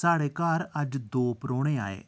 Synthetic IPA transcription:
saːɽeːkaːɾəd͡ʒd̪oːpɾoːɽ̃eːa̰ːḛː

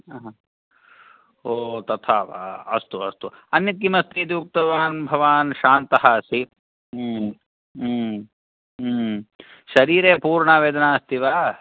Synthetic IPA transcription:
ɦ | oːt̪ɐt̪ʰaːʋa̰ɐst̪uɐst̪u | ɐnjɐt̪ːimɐst̪ʰid̪uːk̚t̪ɐʋaːnbʱɐʋaːnʃaːnt̪ɐɦɐɐsi | ʃɐɾiːɾeːpuːɾɳaʋeːd̪ɐnaːɐst̪ʰiʋaː

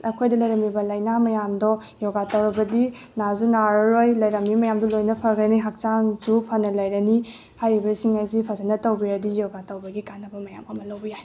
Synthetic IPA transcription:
ɐkʰojdɐlɐjɾɐmibɐlɐjnamɐjamdɔ | jɔɡatɐwɾɐbɐdi | nazunaɾɾojlɐjɾɐmːimɐjamdulojnɐpʰɐɾɡɐniɦak̚t͡ʃaŋzupʰɐnɐlɐjɾɐni | hajɾibɐsiŋajzipʰɐzanɐtɐwbiɾɐdijɔɡatɐwbɐɡikanːɐbɐmɐjamɐmɐlɐwbɐjaj

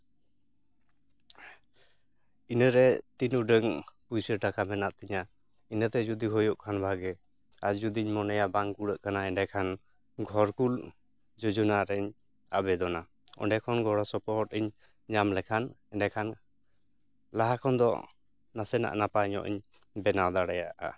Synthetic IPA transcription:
inəɾɛt̪inuɖəŋpujsəɾʈakamɛnaʔt̪iɲa | inət̪ɛd͡ʒud̪iɦɔjɔʔkʰanbʱaɡɛ | ad͡ʒd͡ʒud̪iɲmɔnɛjabaŋkuɽəʔkanaɛɖɛkʰan | ɡʱɔɾkul | d͡ʒɔd͡ʒɔnaɾɛɲ | abɛd̪ɔna | ɔ̰ɳɖɛkʰɔnɡʱɔɽɔsɔpɔɦɔʈiɲ | ɲamlɛkʰanɛnɛkʰan | laɦakʰɔnd̪ɔ̰ | nasɛna̰ʔnapaɲɔ̰ʔḭɲ | bɛnawd̪aɽɛjaʔa̰

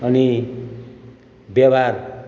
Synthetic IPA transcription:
ʌni | bjʌbar

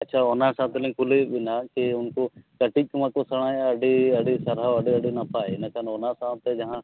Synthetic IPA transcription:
ɐtːʃʰaoːnasãːt̪lẽkʊlebɪnakeʊnkokɐʈikmakosɐɽ̃aːẽɐɖiɐɖisɐɾaɐɖiɐɖinapaːenɐkanoːnasãːt̪ed͡ʒɐɦã

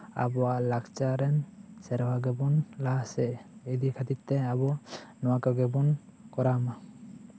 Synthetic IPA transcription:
a̰bɔwaʔlakt͡ʃaɾɛnsɛɾbaɡɛbɔnlaɦsɛid̪ikʰat̪itt̪ːɛabɔnɔwakaɡɛbunkɔɾama

